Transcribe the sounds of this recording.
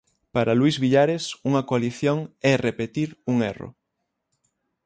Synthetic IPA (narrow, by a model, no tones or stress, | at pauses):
paɾaluizβiʎaɾesuŋɐkoaliθjoŋɛrepet̪iɾuŋḛro̰